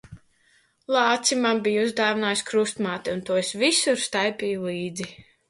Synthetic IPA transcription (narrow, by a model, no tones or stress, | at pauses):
lˠɑːt̪simambijuzd̪aːvinaːjskɾust̪maːt̪iunt̪uɔsvisuɾst̪ajpʲijulˠiːd̪zi